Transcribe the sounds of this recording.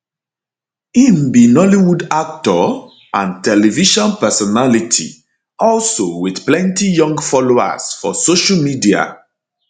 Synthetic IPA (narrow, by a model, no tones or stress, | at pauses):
ĩnbinɔliwudak̚tɔ | ʔãntɛlɛviʃɔ̃npɛsɔnalitʰḭ | ɔlsowiθplɛ̃ntijɔ̃ŋɡfɔloa̰sfɔ̰soʃamidia̰